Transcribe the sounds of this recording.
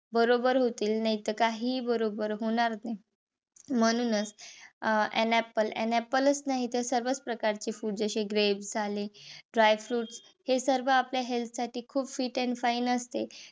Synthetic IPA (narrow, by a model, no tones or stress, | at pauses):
bəɾobəɾɦot̪iːlnaɦit̪əkaɦiːbəɾobəɾɦoɽ̃aɾna | m̤əɽ̃uːnət͡s | ɛ̰nɛpəlḛnɛpələsnaɦit̪əɾsəɾʋət͡spɾəkaɾt͡ɕiːfuːɖd͡zəɕeɡɾebsaliɖɾajfɾuːʈs | hesəɾʋəapljaɦelt̪ʰsaʈiːkʰuːbfiːʈɛ̃nfainəst̪e